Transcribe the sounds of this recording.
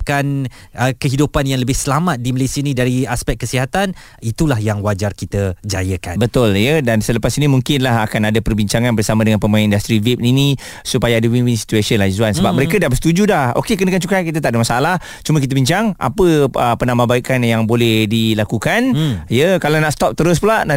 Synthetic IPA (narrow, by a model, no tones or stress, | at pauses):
p̚kan | əkəɦidupanjaŋləbɪhsəlamat̪̚diməlesiənĩdaɾiaspɛk̚kːəsiɦat̪an | it̪ulahjaŋwad͡ʒarkit̪əd͡ʒajəka̰nbət̪ʊljədansələpasinimuŋkɪnlaɦakanadapərbiɲt͡ʃaŋanbərsamãdəŋanpəmaanindast̪ɾivip̚nini | supajaadəwinwinsi̥t̪uesənlaizuansəbap̚məɾekədabəst̪ud͡ʒudaho̰kekənəkant͡ʃukajkit̪̬at̪aʔdəmasaalah | t͡ʃumə̃k̬it̪əbiɲt͡ʃaŋʔa̰pəəpənamãbaikanjaŋbolɛhdilakukanjəkalanaʔsə̥t̪ɔp̚t̪əɾʊs̬pulaʔna